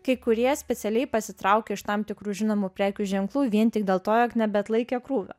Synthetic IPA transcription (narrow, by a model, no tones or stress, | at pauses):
kɐɪkʊɾʲiɛsʲpʲɛt̪sʲɛlʲɛɪpɐsʲɪt̪ɾɐʊkʲɛːɪʃt̪ɐmt̪ʲɪkɾuːʒʲɪnoːmuːpʲɾʲæːkʲuːʒʲɛŋklˠuːʋʲiɛnt̪ʲɪk̚d̪ʲeːlˠt̪oːjoːknʲɛbʲɛɐt̪lˠɐɪkʲɛkɾuːʋʲo̰ː